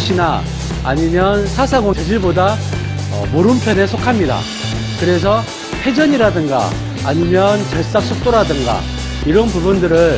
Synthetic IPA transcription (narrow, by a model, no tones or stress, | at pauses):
ɕʰinaː | ɲimjʌnsʰasʰaɡosʰed͡ʑiɭboda | ʌ̰moɾɯmpʰjʌnesʰokʰamɲida̰ | kɯɾe̞s̬ʰʌ | ɸe̞d͡ʑʌɲiɾadɯŋɡa̰ː | ɲimjʌnt͡ɕʌɭs͈ak̚s͈ʰok̚t͈oɾadɯŋɡa̰ | iɾʌnpubundɯɾɯɭ